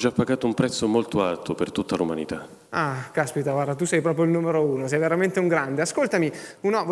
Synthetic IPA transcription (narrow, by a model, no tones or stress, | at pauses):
d͡ʒapːaɡaːt̪oumpɾɛt̪sːomolt̪oalt̪opert̪ut̪ːaluma̰nḭt̪a | akaspit̪aɡward̪at̪̬usɛjpɾɔːpɾjoilnumeɾouːnosɛjveɾament̪euŋɡɾand̪easkolt̪amiunɔvo